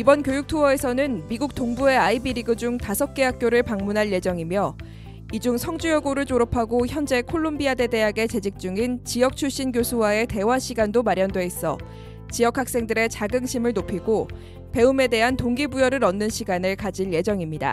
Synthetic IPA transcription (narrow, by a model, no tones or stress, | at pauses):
ibʌnkjojuk̚tʰuʌe̞sʰʌnɯnmiɡuk̚t͈oŋbue̞aibiɾiɡɯd͡ʑuŋtasʰʌk̚k͈e̞ɦak̚k͈joɾɯɭpaŋmunɦanje̞d͡ʑʌŋimjʌ | id͡ʑuŋsʰʌŋd͡ʑujʌɡuɾɯɭt͡ɕoɾopʰaɡoçjʌnd͡ʑe̞kʰoɭːombiade̞de̞aɡe̞t͡ɕe̞d͡ʑik̚t͡ɕ͈uŋint͡ɕijʌk̚t͡ɕʰuɭɕ͈inɡjosʰuwae̞te̞waɕʰiɡandomaɾjʌndwe̞is͈ʌ | t͡ɕijʌkhak̚s͈e̞ŋdɯɾe̞t͡ɕaɡɯŋɕʰimɯɭnopʰiɡo | pe̞ume̞de̞ɦantoŋɡibujʌɾɯɾʌnːɯnɕʰiɡanɯɭkad͡ʑinje̞d͡ʑʌŋimɲida̰